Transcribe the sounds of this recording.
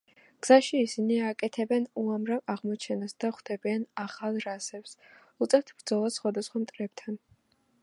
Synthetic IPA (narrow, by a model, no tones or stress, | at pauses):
ɡ̥z̥aʃiːsiniakʼɛt̪ʰɛbɛnuamɾavaʁmɔt͡ʃʰɛnasd̪̥aχd̪̥ɛbianaχalˠɾasɛps | ut̪sʼɛɾt̪ʰb̥ɾd̪zɔlˠasːχwad̪asχwamt̪ʼɾɛbt̪ʰan